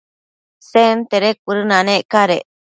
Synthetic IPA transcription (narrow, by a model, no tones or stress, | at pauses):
sent̪eɾek̚ɨɾɯnãnẽʔkaɾḛ